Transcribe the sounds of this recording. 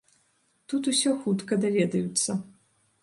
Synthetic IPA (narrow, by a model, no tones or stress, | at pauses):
t̪ut̪usʲɔxut̪kɐd̪avʲɛd̪ɐjut̪sːɐ